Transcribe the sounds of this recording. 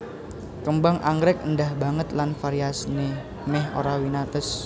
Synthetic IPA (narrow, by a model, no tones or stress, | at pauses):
kəmbaŋʔaŋɡɾɪk̚əndahba̤ŋət̪lanfaɾiasne | mɛho̰ɾawinat̪əs